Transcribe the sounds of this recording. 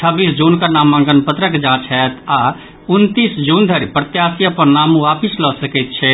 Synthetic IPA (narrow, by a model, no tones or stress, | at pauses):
t͡ʃʰəbiːsd͡ʒuːnkanaːmːãŋɡənpət̪ɾəkd͡ʒãːt͡ʃʰɦɛt̪ʰa | ʊnt̪iːsd͡ʒũːnd̪ʱəɾipɾət̪jaːsijəpəɾnaːmũaːpislɔsəkɛt̪̚t͡ʃʰɛ